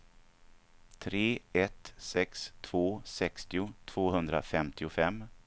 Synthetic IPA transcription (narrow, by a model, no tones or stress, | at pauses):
t̪ʰɾeːɛt̪sɛkst̪ʰv̥oːsɛkst̪ɪʊt̪ʰv̥oːhɵnd̪ɾa̰fɛmt̪ʰɪʊfɛmː